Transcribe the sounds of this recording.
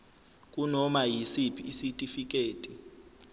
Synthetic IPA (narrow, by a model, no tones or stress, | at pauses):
k̬ʼunɔmajisipʰiːsitʼifik̬ʼeːtʼi